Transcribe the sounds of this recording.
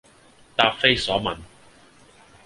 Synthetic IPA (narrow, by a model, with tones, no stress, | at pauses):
t̪aː˧p̚fe˥jsɔː˨˥mɐ˨˩n